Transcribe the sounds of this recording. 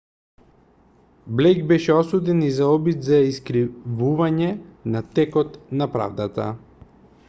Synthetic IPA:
blɛjɡbɛʃɛɔsud̪ɛnizaɔbid̪zaiskɾivuvaɲɛnat̪ɛkɔt̪napɾa̰vd̪at̪a̰

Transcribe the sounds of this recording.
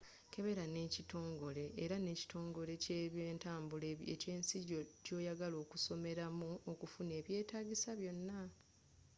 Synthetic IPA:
ke̞βe̞ɾane̞ːcito̞ːŋɡo̞le̞ʔːɾane̞ːci̥to̞ːŋɡo̞le̞ceβjeːntaːmbuleḛce̞ːnsiɟoco̞ːjaɡalo̞ːkuso̞me̞ɾamuokufune̞ːβje̞ːtaːɟisaβjo̞nːa

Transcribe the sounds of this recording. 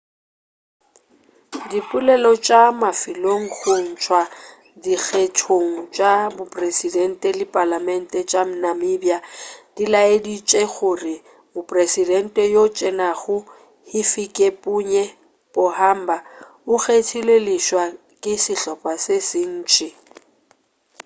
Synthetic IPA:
dipʼʊlɛlɔt͡ʃʼamafɪloŋ̩χʊn̩t͡ʃʰwa | dik͡xʰetʰoŋ̩t͡ʃʼabʊpʼresidɛn̩tʼɛlɪpʼalamɛn̩tʼɛt͡ʃʼam̩namɪbjad̥ilaedit͡ʃʼɛɣʊrɪ | mʊpʼresidɛn̩tʼɛjot͡ʃʼɛnaɣʊ | hɪfikʼepʼuɲɛ | b̥ʊham̩ba | ʊɣetʰilelɪʃwa | kʼɪsɪɬɔpʼasesɪn̩ːt͡ʃʼɪ

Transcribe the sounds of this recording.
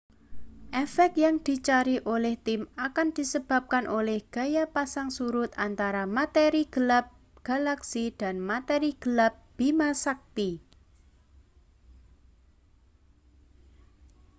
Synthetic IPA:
ʔɛfɛk̚t̪̚jaŋd̪̥i̤t͡ʃaɾiʔolɛht̪imakand̪̥i̤səb̥a̤p̚kanʔolɛhɡ̥a̤japasaŋsuɾʊt̪̚ant̪aɾamat̪eɾiɡ̥ə̤lap̚ | ɡ̥a̤laksid̥a̤nmat̪eɾiɡ̥ə̤lap̚b̥imasak̚t̪i

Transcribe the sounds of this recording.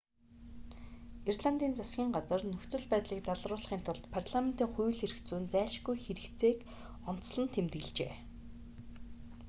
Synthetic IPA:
irɮant̪iːnt͡sasɡʲiːŋɢat͡sə̆rnɵxt͡sɵ̆ɮpæːt̪ɮiːk̚t͡saɮrʊːɮχiːnt̪ʰʊɮt̪pʰarɮamen̥t̪iːŋχujɮxeɾ̆kt͡suːnt͡sæːʃɡujxeɾɘ̆kt͡seːk | ɔn̥t͡sɮə̆nt̪ʰemt̪ɡɘ̆ɮt͡ɕḛː

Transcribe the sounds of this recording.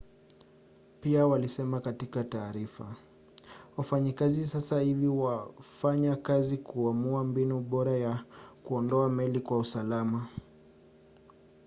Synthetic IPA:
piawalisɛmakatikataːɾifa | wafaɲikazisasahiviwafaɲakazikuamuambinuɓɔɾajakuɔndɔamɛlikwausalama

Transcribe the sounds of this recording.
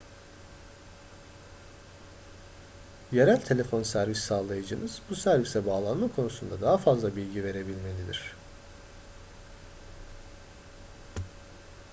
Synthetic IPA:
je̞ɾælʲt̪ʰe̞lʲe̞fo̞nsæɾvissaːlˠajɯd͡ʒɯnɯz̥busæɾvisɛbaːlˠanmakʰo̞nusund̪ad̪aɦafazlˠabilʲɟive̞ɾe̞bilʲme̞lʲid̪ḭɾ̝̥

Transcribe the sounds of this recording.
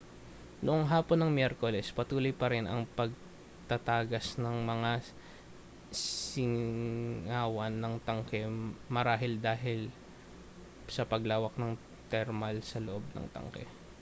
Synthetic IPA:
noʔoŋɦaːponːɐŋmjɛɾkolɛspɐt̪uːlojpɐɾɛnɐŋpɐɡ̚ | t̪ɐt̪aːɡɐsnɐŋmɐŋa | ɪŋ | aːwɐnːɐŋt̪ɐŋkɛmɐɾaːɦɪld̪aːɦɪl | sɐpɐɡlaːwɐk̚nɐŋ | t̪ɛɾmɐlsɐloʔob̚nɐ̰ŋt̪ɐ̰ŋkɛ̰

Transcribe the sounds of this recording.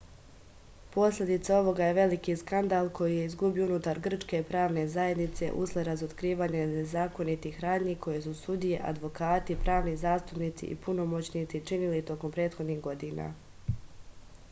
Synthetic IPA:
po̞sʎʲe̞d̪it̪sao̞ʋo̞ɡaje̞ʋe̞likiskand̪aːlˠkʰo̞jije̞izɡubiounut̪aɾɡr̩t͡ʃke̞pɾaːʋne̞zaje̞d̪nit̪se̞̰ʔusleɾazot̪kɾiːʋaːɲenezaːko̞nit̪ixɾaːd̪ɲiko̞je̞susud̪ije̞ʔa̰d̪ʋo̞kaːt̪ipɾʔaːʋnizaːst̪upniːt̪sḭʔḭpuno̞mo̞t͡ɕniːt̪sit͡ʃinilit̪o̞kompɾe̞ːt̪xod̪niːxɡo̞d̪iːna̰

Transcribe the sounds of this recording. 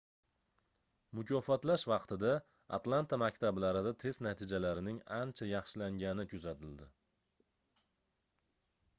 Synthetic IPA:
mʊkʲʰɒfɒt̪laʃvɑqt̪ʰɪd̪a̰ː | t̪lˠant̪ʰamakʲt̪ʰablaɾɪd̪at̪ʰe̞znat̪ʰɪd͡ʒalaɾɪnɪŋant͡ʃʰajɑχʃɪlaŋɡʲanɪkʰʊzat̪ʰɪld̪ɪ

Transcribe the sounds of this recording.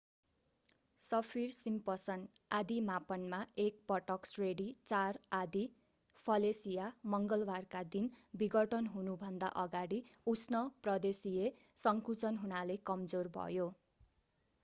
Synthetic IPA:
sʌpʰirsimpʌsʌn | ad̪imapʌnmaek̚pʌʈʌksreɽit͡sarad̪i | pʰʌlesijamʌŋɡʌlbarkad̪inbiɡʌʈʰʌnɦunubʱʌnd̪a̰ʔʌɡaɽiusnʌprʌd̪esie | sʌŋkut͡sʌnɦunalekʌmd͡zorbʱʌ̰jo

